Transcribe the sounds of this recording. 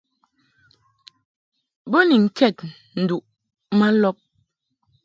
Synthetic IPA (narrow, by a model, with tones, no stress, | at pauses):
bɔ˦ni˨ŋ̩˨kʰɛ˦˨t̚ | n̩˨du˨ʔ | ma˦lɔ˦p̚